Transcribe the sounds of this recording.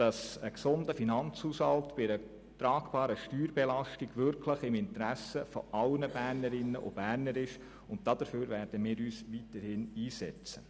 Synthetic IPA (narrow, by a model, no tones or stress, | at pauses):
d̥ɑsəksʊndəfinɑnt͡shuːshɑltb̥ɪɾə | t̪ɾɑːɡb̥ɑːɾəʃtyːɾbɛlɑʃtɪɡ̥ʋʏɾkʰləχɪmɪntɾæsəfɔ̰ʔɑlnəbæːɾnəɾɪnːəʔo̰b̥æːɾnəɾɪʃ | ʊnttːɑd̥̪əføːɾʋæːɾd̥əmɪːɾyːsʋitəɾhɪniːsɛ̰t͡sə